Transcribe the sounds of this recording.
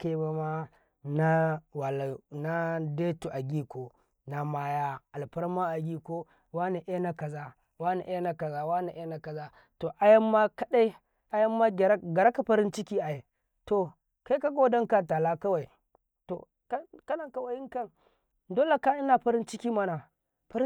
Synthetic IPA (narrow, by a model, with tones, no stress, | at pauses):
ke˦ba˦ma˦ | na˦wa˨lna˦deː˦tu˨ʔa˨ɡʲiː˦kʷo˨ | na˨ma˦ja˦ʔa˨lɸɐ˦ɾa˦ma˦ʔa˨ɡʲi˦ko˦ | wa˦ne˨ʔe˦na˦kɐ˨zaː˦ | wa˦nḛ˨ʔe˦na˦ka˨zaː˦wa˦ne˨ʔe˦na˦kɐ˨za˦ | to˨ʔa˦jɐ˦mːa˦kɐ˦ɗa˦j | ʔa˦jɐ˦mːa˦ɡɡɐ˨ɾa˦ka˨ɸɐ˦ɾɪ˦nt͡ʃɪ˦kʲiː˦ʔa˨je˨ | to˨ | ka˦jka˦ɡo˦dɐ˦ŋka˨ta˨laː˦kɐ˦wa˨j | to̰˨ | kkɐ˦na˨ka˦wa˨˦ɪ˦ŋkɐ˦˨ŋ | doː˦la˨ka˦ʔɪ˦na˨ɸɐ˦ɾɪ˦nt͡ʃɪ˦kʲiː˦ma˦na˨ | ɸɐ˦